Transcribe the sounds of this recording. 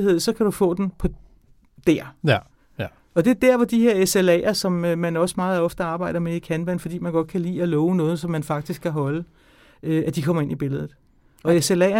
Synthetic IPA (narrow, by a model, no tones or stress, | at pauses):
he̝ð̰ˠsɒ̽kʰæɾ̥ufɔ̰̽ːd̥enpʰɒ̽ | d̥æɐ̰ | ɒ̽d̥e̝ɐd̥æɐ̰ʋɒd̥ihe̝ɐeselɛ̰ːɐsɒ̽møːænɒ̽səmɑ̈ːð̩ˠɒ̽fd̥əɑ̈ːb̥ɑ̈ɪ̰d̥ɐmeikʰænʋænfɒd̥ḭːmænɡ̥ɒ̽d̥̚kʰælḭːɒlɔːʊənɔ̽ːð̞̩ˠsɒ̽mːænfɑ̈ɡ̥̚d̥isɡ̥kʰːæɦɒ̽lə | øʔæd̥ikʰɒ̽mɐe̝nib̥e̝ləð̞ˠð̩ˠ | ɒ̽eselɛ̰ɐ